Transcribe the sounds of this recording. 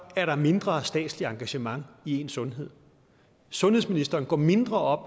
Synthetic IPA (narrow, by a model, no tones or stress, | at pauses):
æɐɾɑ̈me̝nd̥ʁɐsd̥ɛ̰ːd̥sliɑ̈ŋɡ̥æɕəmɑ̈ŋie̝ːnsɔ̽nɦe̝ð̞̰ˠ | sɔ̽nhḛsminisd̥ɐːn̩ɡ̥ɒ̰ːme̝nd̥ʁɐɒ̽b̥